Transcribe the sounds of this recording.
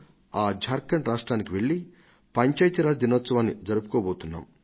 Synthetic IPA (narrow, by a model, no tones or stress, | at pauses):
aːd͡ʒʱaːɾkːɐɳʈɾaːʂʈɾaːnikiʋeɭːi | pɐɲt͡ʃaːjt̪iɾaːd͡ʒd̪inoɐːt̪sɐʋaːnːid͡ʒɐɾupu̥koːboːt̪unːa̰ːm